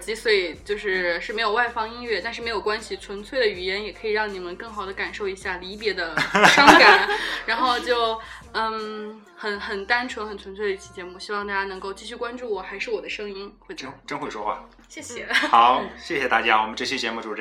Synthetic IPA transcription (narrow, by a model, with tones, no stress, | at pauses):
t͡ɕi˧˥swe˥˩ɪt͡ɕjo˥˧ʊʂɻ̩˥˩ʂɻ̩˥˩me˧˥ɪjo˨˩wa˥˩ɪfɑ˥ŋi˥nɥɛ˥˧t̪a˥˧nʂɻ̩˥˩me˧˥ɪjo˨˩ʊkwa˥nɕi˨t͡sʰwə˧˥nt͡sʰwe˥˩ɪd̪ə˩y˨˩jɛ˧˥njɛ˨˩kʰɤ˧˥i˨˩ɻɑ˥˩ŋni˨˩mə˦nkɤ˥˩ŋxɑ˨˩ʊd̪ə˦ka˨˩nʂo˥˩ʊi˧˥ɕja˥˩li˧˥p̬jɛ˧˥d̪ə˧ʂɑ˥ŋŋka˨˩˦nɻa˧˥nxo˥˧ʊt͡ɕjo˥˧ʊ˥˩ | xə˨˩nxə˨˩nt̪a˥nʈ͡ʂʰwə˧˥nxə˨˩nt͡sʰwə˧˥nt͡sʰwe˥˩d̪ə˧i˥˩t͡ɕʰi˥˩t͡ɕjɛ˧˥mu˥˩ɕi˥wɑ˥˧ŋt̪a˥˧˩t͡ɕja˥nɤ˧˥ŋko˥˧ʊt͡ɕi˥˧ɕy˥˩kwa˥nʈ͡ʂu˥˩wɔ˨˩xa˧˥ɪʂɻ̩˥˩wɔ˨˩d̪ə˦ʂɤ˥ŋi˥nxwe˥˧ɪ˥ʈ͡ʂə˥nxwe˥˩ɪʂwɔ˥xwa̰˥˩ | ɕjɛ˥˩ɕɛ˨˩xɑ˨˩˦ʊɕjɛ˥˩ɕjɛ˨˩t̪a̰˥˩t͡ɕja˥wɔ˨˩mə˦nʈ͡ʂɤ˥˩ɕɛ˥t͡ɕjɛ˧˥mu˥˩ʈ͡ʂu˨˩ʈ͡ʂ